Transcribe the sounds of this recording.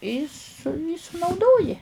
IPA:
iː sʊ iː sʊnɐʊˈdoːjɪ

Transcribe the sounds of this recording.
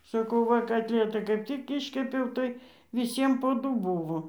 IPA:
sɐˈkɐʊ ˈʋɐ kɐtʲˈlʲiɛtɐɪ kɐɪp tʲɪk ˈɪʃʲkʲɛpʲɛʊ tɐɪ ʋʲɪˈsʲiɛm poː ˈdʊ ˈbuːʋoː

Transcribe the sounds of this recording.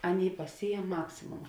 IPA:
ˈɑːˌnʲeːɪ pɐˈsʲiːjɛm ˈmɑːksʲɪmoːmɐ

